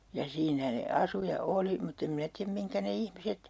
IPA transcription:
jɑ siːnæ ne ɑsu jɑ oli mutː em minæ tiæm miŋkæ ne ihmiset

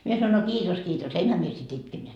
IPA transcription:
mie sɑnoin no kiːtos kiːtos enhæ mie sit itke mie

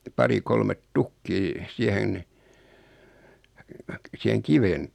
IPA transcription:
pɑri kolmet tukːiː siæhen siheŋ kiʋen

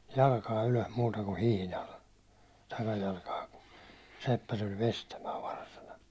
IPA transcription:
jɑlkɑː yløs muːtɑ ku hihnɑl tɑkɑjɑlkɑː ku sepːæ tulʲ ʋestæmæː ʋɑrsɑnɑ

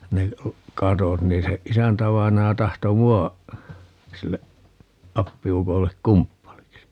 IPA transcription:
ne kɑtot niː se isæntæʋɑinɑjɑ tɑhto muɑ silːe ɑpːiukolːek kumpːɑliksi

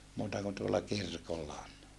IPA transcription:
muːtɑ kun tuolːɑ kirkolːɑ on

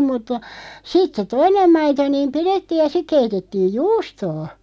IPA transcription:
mutːɑ sit se toinem mɑito niːm piretːiːj jɑ sik keitetːiːj juːstoː

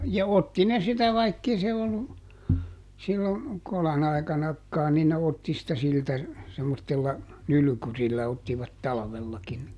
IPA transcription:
jɑ otːi ne sitæ ʋɑikːei se olːu silːo kolɑn ɑi̯kɑnɑkːɑːn̆ nin ne otːi sitæ siltæ semːotːelːɑ nyly̆kyrilːæ otːiʋɑt tɑlɑ̆ʋelːɑkin ni

